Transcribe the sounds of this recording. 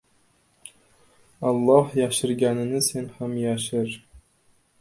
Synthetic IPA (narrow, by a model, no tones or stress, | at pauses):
ɑlˠːɑχjɑʃɘ̆rɡʲænɘ̆nʲɘ̆senχɑmjɑɕɘ̆rʲ